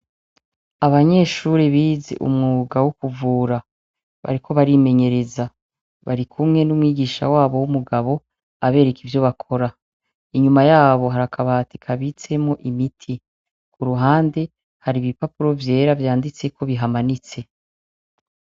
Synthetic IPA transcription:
aβaɲe̞ːʃuɾeβiːzḛʔṵmŋuːɡawukuvuːɾa | βa̰ɾikʰo̞βaɾime̞ɲe̞ɾe̞za | βaɾikʰumŋe̞numŋiːɡiːʃa̰waːβo̞wumuɡaβo̞ | aβe̞ːɾe̞kivjo̞βakʰo̞ɾa | iɲumajaːβo̞ɦaɾakʰaβaːti̥kʰaβit͡se̞mo̞ʔimitʰi | kuɾuɦaːnde̞ | haɾiβipapuɾo̞vje̞ːɾavjaːndit͡se̞kʰo̞βiɦamanit͡se̞

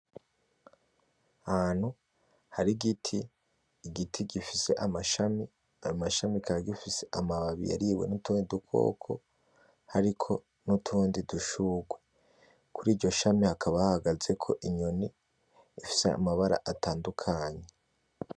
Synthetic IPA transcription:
ahaːn̥hu | haɾiɡitʰiː | ɡitʰiɡifise̞ʔamaʃami | aumaʃamikʰaɾaɡifiseʔamaβaβḭja̰ɾiwe̞̰nutuːndidukʰo̞̰ːkʰo̞̰ | haɾikʰo̞ | nutʰuːndiduʃuːɡwe̞ | kʰuɾiːɟo̞ʃamihakʰaβahahaɡaze̞kʰo̞̰ʔiɲoni | ifi̥sea̰maβaɾa̰ʔatʰaːndukʰaːɲe

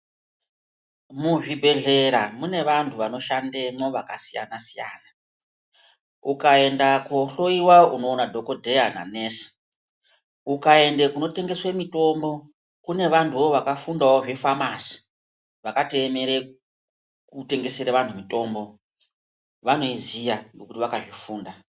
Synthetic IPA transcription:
muʐibʱe̞ɮe̞ɾamune̞ʋantʰuʋano̞ʃandemoʋakasijanasija̰ːna | ukae̞ndakoɬo̞iwauno̞ːnadʱo̞ko̞dʱejana̰ne̞ːsi̥ | ukae̞ndekuno̞te̞ŋɡe̞swemito̞mbo̞ | kune̞ʋantʰuʋoʋakafundaoʐifamasi̥ | ʋakate̞meɾe | kute̞ŋɡe̞seɾeʋantʰumito̞ːmbo̞ | ʋano̞izijaŋɡokutiʋakaʐifuːnda

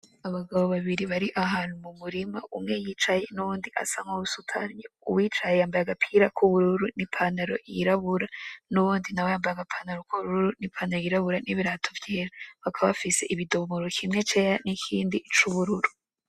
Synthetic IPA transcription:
aβaɡaβo̞βaβiɾiβaɾiʔaɦaːn̥humumuɾima̰ʔumŋe̞jiːt͡ʃaje̞nuβuːndiʔa̰saŋoβusutʰa̰ɾɲoṵwiːt͡ʃajejaːmbajaɡapʰiɾakʰuβuɾuɾunipʰanaɾo̞̰jiɾaβuɾanuβuːndinaβwajaːmbajaɡapʰanaɾokʰoβuβɾuɾuɾunipʰaːnaɾojiɾaβuɾaniβiɾaːtʰovjeːɾaβakʰaββfise̞ʔiβidomoɾokʰimŋe̞t͡ʃe̞janikʰiːndit͡ʃuβuɾuɾu

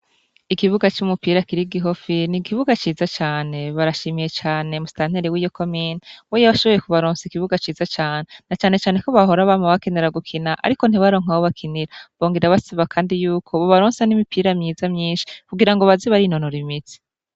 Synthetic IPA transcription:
ikiβuɡat͡ʃumupiːɾakiɾiɡiɦofinikiβuɡat͡ʃiːzat͡ʃaːne̞βaɾaʃiːmije̞t͡ʃaːne̞mustaːn̥heɾewiːjo̞kʰo̞minawejaβaʃo̞βo̞jekuβaɾoːnsikiβuɡat͡ʃiːzat͡ʃaːne̞nat͡ʃaːne̞t͡ʃaːneko̞βaɦo̞ɾaβamoβakeneɾaɡukʰinaʔa̰ɾiko̞n̥iβaɾo̞ːŋ̥awoβakʰiniɾaβo̞ːŋɡiɾaβasiβakʰaːndijuːkʰo̞βoβaɾoːnsanimipʰiːɾamɲiːzamɲiːnʃi̥kuɡiɾaŋɡo̞βaziβaɾino̞noɾimit͡si̥

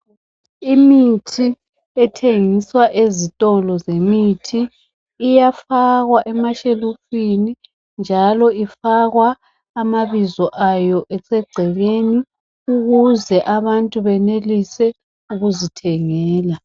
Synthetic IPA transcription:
imitʰi | ɛtʰeŋiswaʔezitʼɔlɔzemitʰiː | jafaɣwaʔɛmaʃelufini | nd͡ʒʱalɔifaɣwaː | maβizɔʔajɔʔɛsɛɡ͡ǀʱɛβeni | uɣuzɛʔaβantʼuβɛnelisɛ | uɣuzitʰɛŋɛːla

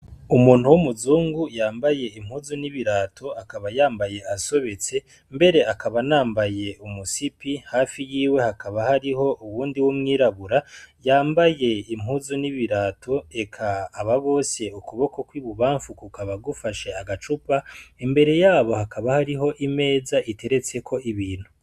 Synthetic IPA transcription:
umuːn̥huwumuzuːŋɡujaːmbaje̞im̥huzuniβiɾaːtʰo̞akaβajaːmbaje̞ʔaso̞βe̞t͡se̞ | mbe̞ɾe̞akaβanaːmbaje̞umusipihaːfijiːwe̞hakaβahaɾiɦo̞ʔuwuːndiwumŋiːɾaβuɾajaːmbaje̞im̥huzuniβiɾaːto̞e̞kʰaːβaβo̞ːse̞ukuβo̞ko̞kwiβuβaːɱfukukaβaɡufaʃe̞aɡat͡ʃupaembe̞ɾe̞jaːβo̞hakʰaβahaɾiɦo̞ʔime̞ːzaʔite̞ɾe̞t͡se̞kʰo̞ʔiβiːn̥hu

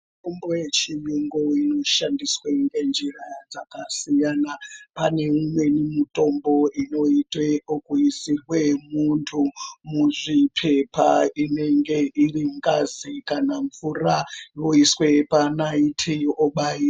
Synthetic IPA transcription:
mkumbojet͡ʃijuŋɡoino̞ʃandisweŋɡe̞nd͡ʒirajad͡zakasijanapane̞umwe̞nimito̞mbo̞ʔino̞iteokuisirwe̞muntʰumuʐipʰe̞pʰaine̞ŋɡe̞ʔiriŋɡazikanaɱvuraʋo̞iswe̞panaitʰioɓai

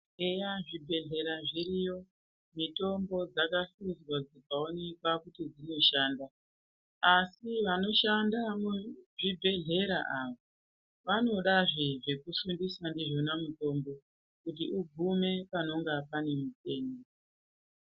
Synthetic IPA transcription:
ejaʐibʱe̞ɮe̞ɾaʐirijo̞ | mito̞mbo̞d͡zakaɬuzwad͡zikaone̞kwakutid͡zino̞ʃaːnda | asiʋano̞ʃandamuʐibʱe̞ɮe̞ɾaʔaʋo | ʋano̞ɗaʐeʐe̞kuʃundisandiʐo̞namuto̞mbo̞ | kut̬iʔuɡʱume̞pano̞ŋɡapane̞mute̞ːne

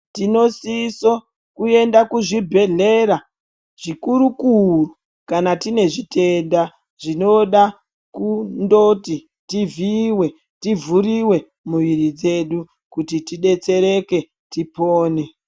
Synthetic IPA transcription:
tino̞siso | kue̞ndakuʐibʱe̞ɮe̞ɾa | ʐ̥ikuɾukuro | kanatine̞ʐitʰe̞nda | ʐino̞ɗa | kundoti | tiviwe̞ | tivuɾiwe̞ | muʋiɾid͡ze̞ɗu | kutitiɗe̞t͡se̞ɾe̞ke̞ | tipoːne

